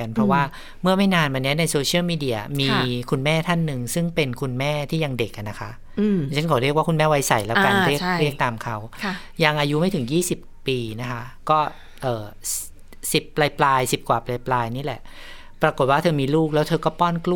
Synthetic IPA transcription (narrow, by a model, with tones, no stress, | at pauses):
a˧npʰɾɔ˦˥waː˥˩ | mɯ˥˩ɐma˥˩jnaː˧nma˧nːi˦˥ɐna˧jsoː˧t͡ɕʰi˥˩˨miː˧di˧˩ɐmiː˧kʰu˧nmɛː˥˩t̪ʰa˥˩nːɯ˨˧ŋsɯ˥˩ŋpe˧nkʰu˧nmɛː˥˩t̪ʰiː˥˩ja˧ŋde˨˩k̚ʔa˨˩na˦˥kʰa˦˥ʔ | t͡ɕʰa˦˥kʰɔː˨˩˦ɾi˥˩k̚waː˥˩kʰu˧nmɛː˥˩wa˦˥jsa˨˩jlɛ˦˥wka˧nɾi˥˩kɾi˥˩ək̚t̪aː˧mkʰa˦˥wʰ | ja˧ŋʔaː˧ju˦˥ma˥˩jt̪ʰɯ˩˦ŋjiː˥˩si˨˩pːiː˧na˦˥kʰa˦˥kɔː˥˩ | ʔɤː˨˩ | si˨˩pːla˧jplaː˧jsi˨˩p̚kwaː˨˩pla˧jplaː˧jniː˦˥˩lɛ̰˨˩ʔ | pɾa˧ko˨˩t̪̚waː˥˩t̪ʰɤː˧miː˧luː˥˩k̚lɛː˦˥wt̪ʰɤː˧kɔː˥˩pɔː˥˩nklu˥